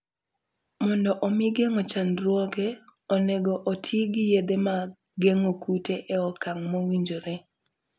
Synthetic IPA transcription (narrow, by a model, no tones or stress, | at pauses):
mɔndɔʔɔmiɡeŋɔt͡ʃanɾwɔɡɛɔnɛɡɔʔotʰiɡɪjed̪ema | ɡeŋokuteʔɛɔkaŋmowiɲd͡ʒoɾe